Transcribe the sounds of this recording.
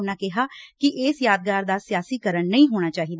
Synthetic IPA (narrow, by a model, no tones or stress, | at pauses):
naːkɛɦaːkiʔeːsjaːd̪̚ɡaːɾd̪aːsɪjaːsikəɾəɳnɐɦĩɦoːñaːt͡ʃaːɦid̪a